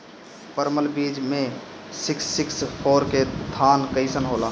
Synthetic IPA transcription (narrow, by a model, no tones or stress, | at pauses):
pəɾməlbiːd͡ʒmẽ | sɪksːɪkspʰoːɾket̪ʰaːnkəɪsənɦoːlaː